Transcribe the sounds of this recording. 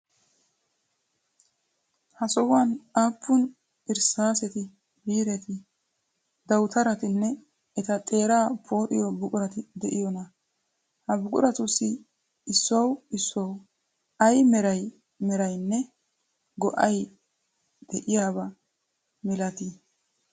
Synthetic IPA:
hɐsɔwanaːpʰːʊn | ɪɾsaːsɛt̪ɪ | biːɾɛt̪ɪ | d̪ɐwt̪ʰɐɾɐt̪ɪnːɛ | ɛt̪ɐt̪ʼe̞ːɾaːpʰo̞ːɾɪjɔbʊkʼʊɾɐt̪ɪd̪ɛʔɪjɔnɐ | hɐbʊkʼʊ̰ɾɐt̪ʊsːɪ | ɪsːɔwɪsːɔw | ɐjmɛɾɐj | mɛɾɐjnːɛ | ɡɔʔɐj | d̪̥ɛʔɪjaːbɐ | mɪlɐt̪ɪ

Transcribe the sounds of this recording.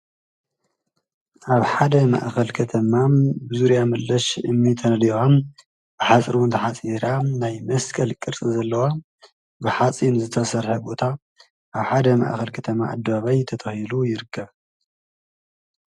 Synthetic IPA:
ʔaβħad̪ɐma̰ʔxɐlkʰɐt̪ʰɐmabɨzuɾjamɨlːɐʃɨmːit̪ʰɐnɐliom | b̥ɨħat͡sʼɾiwʊnt̪ʰɐħat͡sʼiɾanajmɐskʰʼɐlkʼɨɾt͡sʼɨzɐlːɐwa | bɨħat͡sʼinzɨt̪ʰɐsɐɾħɐbo̞t̪ʰa | ʔaβħad̪ɐma̰ʔxɐlkʰɐt̪ʰɐma̰ʔa̰d̪ːɐβaβajt̪ʰɐt̪ʰɐhilujɪɾɨkʰːɐβ

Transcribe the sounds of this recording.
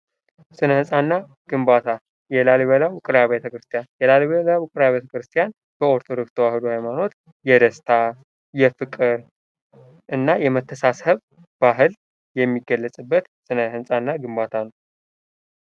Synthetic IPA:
sɨnəhɨnsʼanːa | ɡ̥ɨmbat̪ʰa | jɛlaliβəlawʊkʼɨɾjaβet̪ʰəkɾɨst̪ʰijanjɛlalβəlawʊkʼɨɾaβet̪ʰəkɾɨst̪ʰjan | b̥əoɾt̪ʰo̞d̪o̞kst̪ʰəwahɨd̪uhajmano̞t̪ | jɛd̪əst̪ʰa | jɛfɨkʼɨɾ | ʔɨnːajɛmət̪ʰːəsasəβ | baɦɨl | jɛmːiɡːəlːəsʼɨbːət̪ | sɨnəhɨnsʼanːaɡɨmbat̪ʰanəw

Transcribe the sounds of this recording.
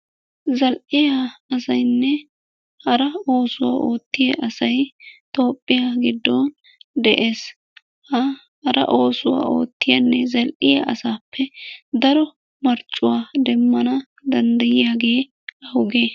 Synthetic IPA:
zɐlʔɪjaɐsɐjnːɛ | hɐɾɐo̞ːsʊwa̰ːʔoːt̪ːɪjeʔɐsɐjt̪o̞ːpʼːɪjaɡɪd̪ːoːn | d̪ɛʔe̞ːs | hɐ | hɐɾɐ̰ʔo̞ːsʊwa̰ːʔo̞̰ːt̪ːɪjɐnːɛzɐlʔɪja̰ʔɐ̰saːpːɛd̪ɐɾɔ | mɐɾt͡ʃʼːʊwaːd̪ɛmːɐnɐ | d̪ɐnd̪ɐjɪjaːɡeː | ɐhʊɡeː

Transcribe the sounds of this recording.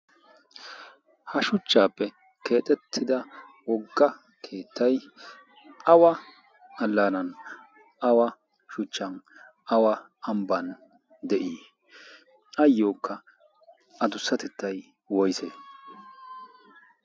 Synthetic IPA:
hɐʃʊt͡ʃːaːpːɛ | ke̞ːt̪ʼɛt̪ʰːɪd̪ɐ | wɔɡːɐ | kʰe̞ːt̪ːɐj | ɐwɐ | ɐlːanɐn | ɐwɐ | ʃʊt͡ʃːɐn | ɐwɐ | ɐmbɐn | d̪ɛʔiː | ɐjːo̞ːkʰːɐ | ɐd̪ʊsːɐt̪ɛt̪ːɐj | wɔjseː

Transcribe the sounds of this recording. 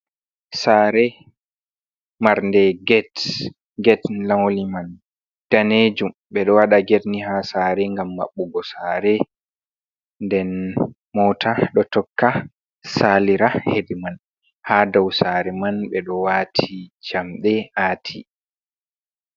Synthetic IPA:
saɾɛ | maɾndɛɡɛt | ɡɛtlamoliman | d̥aned͡ʒum | ɓɛɗɔwaɗaɡedniɦasaːɾɛŋɡamːa̰ɓːuɡɔsaːɾɛ | ndɛn | mɔːtʰaɗɔtɔkːa | saliɾahediman | haːdɔwsaɾɛmanɓɛɗɔwatʰit͡ʃamɗɛʔaːtʰḭ

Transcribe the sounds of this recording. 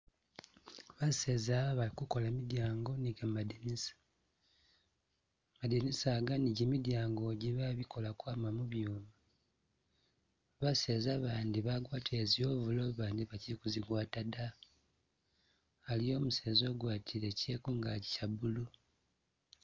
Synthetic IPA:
βase̞ːzaːβaβalikuko̞lamidjaːŋɡo̞niɡamadinisḁ | madinisaːɡaniɟemidjaːŋɡo̞ɟiβaβikʰo̞lakwaːmamuβjoːma | βase̞ːzaβaːndiβaɡwaːtʰezio̞ːβulo̞βaːndiβacikuziɡwaːtada | lijo̞ːmuse̞ːzo̞ːɡwaːtʰiɾeceːkuŋɡaɟi̥cabulu

